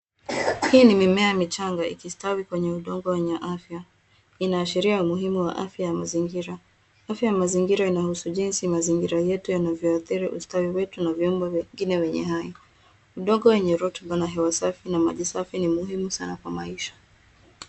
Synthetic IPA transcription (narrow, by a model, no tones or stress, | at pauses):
hiːnimimɛamit͡ʃaŋɡaḭkistawikwɛɲɛuɗɔŋɡɔwɛɲɛʔafja | inaːʃiɾiaumuɦimuwa̰ʔafjajamaziŋɡiɾa | afjajamaziŋɡiɾainahusuʄinsimaziŋɡiɾajɛtujanavjɔaθiɾiʔṵstawiwɛtunaviumbɔvɛŋɡinɛwɛɲɛ̰ɦajɔ | uɗɔŋɡɔwɛɲɛɾɔtɔɓanaɦɛwasafinama̰ʄisafinimuɦimusanakwamaiʃḁ